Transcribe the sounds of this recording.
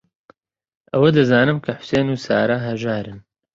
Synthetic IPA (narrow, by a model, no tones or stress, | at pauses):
ʔɐwɐd̪ɐzaːnɨmkʰɐħʊ̥seːnuːsa̰ːɾaɦɐʒaːɾɨn